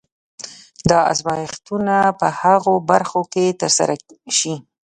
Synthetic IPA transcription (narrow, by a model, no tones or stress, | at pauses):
d̪ɑa̰zmɑjɪxt̪unapəhaɣobaɾxoket̪əɾsa̰ɾaʃi